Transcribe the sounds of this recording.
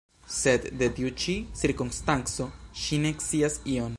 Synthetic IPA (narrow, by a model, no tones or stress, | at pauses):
se̞d̪d̪et̪iut͡ʃisiɾkunst̪ant͡so̞ʃinekt͡siasio̞n